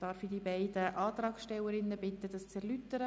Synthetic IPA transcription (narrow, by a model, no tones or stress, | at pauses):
d̥ɑːɾfidibæɪd̥̪əʔɑːt̪ɾɑːksʃtɛwəɾɪnːəbɪt̪ːəd̥̪ɑst͡sɛɾlyt̪əɾə